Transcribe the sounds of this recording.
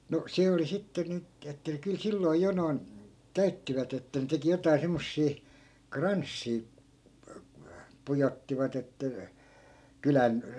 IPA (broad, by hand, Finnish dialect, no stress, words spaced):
no se oli sitːe nyt etːæ kyl silːoi̯ jo noi̯n kæytːiʋæt etːæ ne teki jotɑi̯ semːosːiː krɑnsːiː pujotːiʋɑt etːæ kylæn